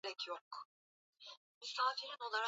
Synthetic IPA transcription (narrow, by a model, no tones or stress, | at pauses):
ɛcʰjok | mysaːfiɾino̞lˠaɾ